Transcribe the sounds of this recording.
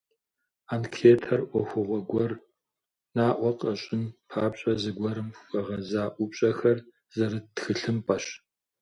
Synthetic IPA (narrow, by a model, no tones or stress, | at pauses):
aːnkʰeːtʰɐrʔʷɔxʷʊʁʷɔɡʷɔr | naːʔʷɔqɐɕʼɪnpʰaːpɕʼɐzɨɡʷɔɾɨmxʷʼɐʁɐzaːʔʷʊpɕʼɐxɐr | z̥ɐɾɨtxɨɬɨmpʼɐɕ